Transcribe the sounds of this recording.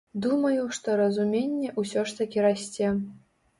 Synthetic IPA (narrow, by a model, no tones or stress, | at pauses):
d̪umɐjuʂt̪ɔɾɐzumʲenʲːɛʔusʲɔʂt̪ɐkʲiɾasʲt͡sʲe